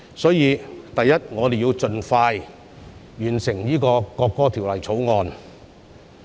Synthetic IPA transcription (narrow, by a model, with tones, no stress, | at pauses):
sɔː˨˥jiː˨˧t̪ɐ˨jːɐ˥t̚ŋɔː˨˧d̪e˨jiː˧wt͡sɵ˨˧nfaː˧j | jyː˨˩nsɪ˨˩ŋjiː˥kɔː˧kɔː˧kːɔː˥t̪ʰi˨˩wlɐ˨˩jt͡sʰo˨˥wŋɔː˨˧n